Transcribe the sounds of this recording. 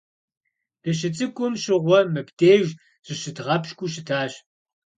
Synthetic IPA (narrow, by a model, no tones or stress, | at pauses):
d̥ɐɕ̬ɪt͡sʼɨkʷʼʊmɕɪʁʷɔmɨpdeːʒ | ʑ̥ɨɕɨdʁɐpɕkʷʼuɕɪtʰaːɕ